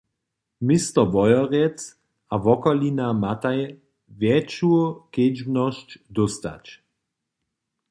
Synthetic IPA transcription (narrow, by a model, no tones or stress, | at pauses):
mist̪ɔvɔjɔʁɛt͡s | avɔkɔlinamat̪aj | vjɛt͡ʃuked͡ʒbnɔʃt͡ʃd̪ɔst̪a̰t͡ʃ